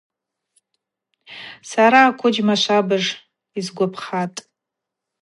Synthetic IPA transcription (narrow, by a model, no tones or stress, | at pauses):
saɾaːkʷʰʊd͡ʒmaʃʷabɨʐ | izɡʷapʰχatʼ